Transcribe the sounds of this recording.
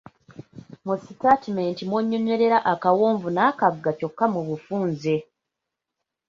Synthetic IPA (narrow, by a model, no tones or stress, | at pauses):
musitatimeːntimwoːɲːoɲe̞ɾe̞ɾaʔakawoːɱvunaːkaɡɡaco̞kːamuβufuːnze̞